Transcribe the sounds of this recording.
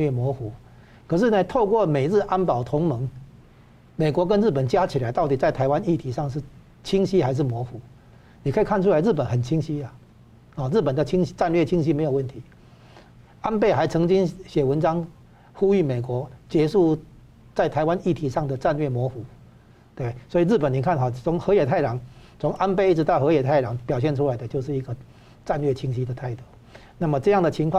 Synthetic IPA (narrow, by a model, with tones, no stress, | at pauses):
ɛ˥˩mwɔ˧˥xu˨˥˦ | kʰə˨˩ʂ̬ɻ̩˥˩nə˨˧t̪ʰo˥˧ʊkwɔ˥˨˩me˨˩ɻ̩˥˧ʔa˥npɑ˨˩ʊt̪ʰʊ˧˦ŋmə˧˦ŋ | me˨˩ɪkwɔ˧˥k̬ə˦nɻ̩˥˩pə˨˩nt͡ɕja˦t͡ɕʰi˨˩la˧˦ɪt̪ɑ˥˩ʊt̪i˨˩t͡sa˥˩ɪt̪ʰa˧ɪwa˦ni˥˩t̪ʰi˧˥ʂɑ˥˧ŋʂ̬ɻ̩˥˩ | t͡ɕʰi˥ŋɕi˥xa˧˥ɪʂ̬ɻ̩˥˩mwɔ˧˥xu˨˥˦ | ni˨˩kʰə˧˥i˨˩kʰa˥nʈ͡ʂʰu˥la˦ɪɻ̩˥˩pə˨˦nxə˨˩nt͡ɕʰi˦˥ŋɕi˦˥a˨ | ɔ˨ɻ̩˥˩pə˨˩nd̪ə˨t͡ɕʰi˥ŋɕi˥ʈ͡ʂa˥˧nlɥɛ˥˨t͡ɕʰi˥ŋɕi˥me˧˥ɪo˨˩wə˥˩nt̪ʰi˨˧˦ | a˦˥npe˥˩ɪxa˧˥ɪt͡sʰɤ˧˥ŋt͡ɕi˦˥ŋɕjɛ˨˩wə˧˦nʈ͡ʂɑ˥ŋ | xu˥y˥˩me˨˩ɪkwɔ˧˥t͡ɕjɛ˧˥ʂu˥˧ | t͡sa˥˩ɪt̪ʰa˧˥ɪwa˦ni˥˩t̪ʰi˧˥ʂɑ˥˩ŋd̪ə˨ʈ͡ʂa˥˧nlɥɛ˥˩mwɔ˧˥xu˨˩˦ | t̪we˥˩be˥˩swɔ˧˥i˨˩ɻ̩˥˩p̬ə˨˩ni˨˩kʰa˥˧nxa˨˩t͡sʰʊ˧˦ŋxɤ˧˥jɛ˨˩t̪ʰa˥˩ɪlɑ˨˩˦ŋ | t͡sʰʊ˧˦ŋʔa˦˥npe˥˧ɪi˥˩ʈ͡ʂ̩˧t̪ɑ˥˩ʊxɤ˧˦jɛ˨˩t̪ʰa˥˩ɪlɑ˨˥˦ŋpjɑ˨˩ɕ̬jɛ˥˧nʈ͡ʂʰu˦la˨˦ɪd̪ə˧t͡ɕjo˥˧ʊʂɻ̩˥˩i˧˥ɡə˧ | ʈ͡ʂa˥˧nlɥɛ˥˩t͡ɕʰi˥ŋɕi˥d̪ə˨˩t̪ʰa˥˩ɪt̪ɔ˥˩ | na˥˩mə˨ʈ͡ʂɤ˥˧jɑ˥˩ŋd̪ə˨t͡ɕʰi˧˥ŋkʰw